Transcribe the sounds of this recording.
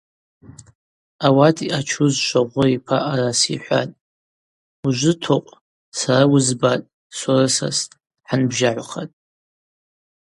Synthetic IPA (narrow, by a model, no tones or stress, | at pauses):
awatʰiʔat͡ʃʷʰʊzʃʷaʁʷʊipʰaʔarasiħʷa̰tʼ | uʒʷɨtʰoqʷʼ | sarawʊzbatʼ | sʷarɨsa̰s | ħanbʒaʕʷχatʼ